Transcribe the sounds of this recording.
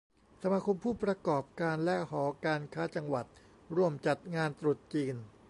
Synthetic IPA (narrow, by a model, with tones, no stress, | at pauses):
sa˧maː˧kʰo˧mpʰuː˥˩pɾa˧kɔː˨˩p̚kaː˧nlɛ˦˥hɔː˩˦kaː˧nkʰaː˦˥t͡ɕa˧ŋwa˨˩t̪̚ | ɾu˥˩əmt͡ɕa˨˩t̪̚ŋaː˧nt̪ɾu˨˩t̪̚t͡ɕiː˧n